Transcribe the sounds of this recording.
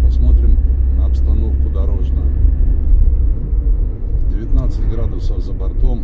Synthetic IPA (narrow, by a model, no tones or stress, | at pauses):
pɐsmo̞t̪ɾʲɪmnəɐpst̪ɐno̞fkʊd̪ɐɾo̞ʐnə | vdʲɪvʲɪt̪nat̪sɨtʲɡɾad̪ʊsəvzəbɐrt̪om